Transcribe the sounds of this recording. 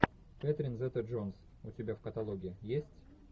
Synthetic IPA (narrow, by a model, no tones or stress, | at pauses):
pʲɛt̪ɾʲɪnzɛt̪əʐons | ʊtʲɪbʲafkət̪ɐlˠoɡʲɪɪjesʲtʲ